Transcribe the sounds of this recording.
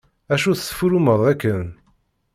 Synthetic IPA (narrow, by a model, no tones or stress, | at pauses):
æʃuθsə̥fuɾuməðˤækːən